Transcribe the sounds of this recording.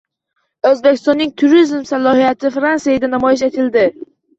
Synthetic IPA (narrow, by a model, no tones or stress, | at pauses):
ɵzbe̞kʲʰɪ̥st̪ɒnːɪŋt̪ʰʊɾizmsalˠɒhijat̪ʰɪfɾansijajad̪anamɒjɪʃ̬et̪ʰɪld̪ɪ